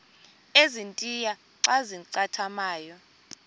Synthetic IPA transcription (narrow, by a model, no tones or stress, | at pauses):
ezintʼija | ǀaziǀatʰamaːjɔ